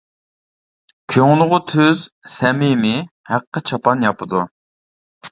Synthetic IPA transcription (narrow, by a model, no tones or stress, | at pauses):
kʲʰøŋlˠʊʁʊt̪ʰøzsɛmɪmɪ | hæqːət͡ʃʰɑpɑnjɑpɨd̪u